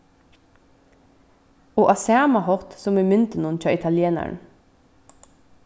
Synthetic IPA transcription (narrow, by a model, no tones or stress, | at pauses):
oːʔɑsæːmɑhɔʁt̪sɔmeːmʏnt̪ənuːnc͡çʰɑːʔɪt̪ʰɑljeːnæ̰ɳ